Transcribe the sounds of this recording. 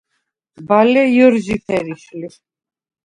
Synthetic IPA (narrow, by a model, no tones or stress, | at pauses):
balɛjɔɾʒiθʰɛɾiʃli